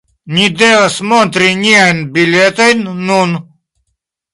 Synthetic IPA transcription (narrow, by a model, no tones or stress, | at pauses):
nʲid̪eʋɐsmont̪ɾinʲianbilʲet̪ɐjnːun